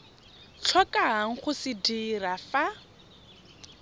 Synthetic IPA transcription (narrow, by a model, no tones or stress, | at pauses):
t͡ɬʰɔkʼaɦaŋ̩χʊsɪdirafa